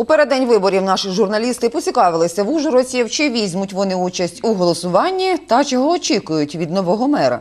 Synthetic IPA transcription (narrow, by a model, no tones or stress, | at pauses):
upeɾed̪ɛnʲʋɪbɔɾʲiwnɑʃɪʒʊrnɐlʲist̪ɪpɔt͡sʲikɑʋɪlˠɪsʲɐʋuʒɛɾɔt͡sʲiwt͡ʃɪʋʲizʲmʊtʲʋɔnɪut͡ʃɐsʲtʲuɦɔlˠɔsʊʋɑnʲːit̪ɐt͡ʃɔɦɔːt͡ʃʲikʊjʊtʲʋʲid̪nɔʋɔɦɔmɛɾɐ̰